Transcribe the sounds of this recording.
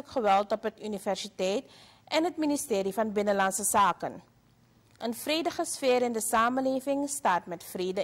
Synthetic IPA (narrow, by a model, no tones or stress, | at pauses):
əkχəʋɛlˠtɔpɦətynivɛrsitɛjt | ʔɛnɦətministeːɾifɐnbɪnəlɐnsəsaːkən | ʔənfrejdəχəsfeːɾəndəsaːməleːvɪŋstaːtmɛtfreːdə